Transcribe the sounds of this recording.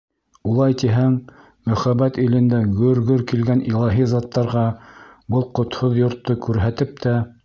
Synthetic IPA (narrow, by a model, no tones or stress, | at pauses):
ulˠɑjt̪iɦæŋ | mɵ̆χæbæt̪ilɘ̆nd̪æɡɵɾɡɵɾkilɡænʔilˠɑɦizɑt̪ːɑɾʁɑbɤlˠqŏt̪hoðjŏɾt̪ːokʉɾɦæt̪ɘp̚t̪æ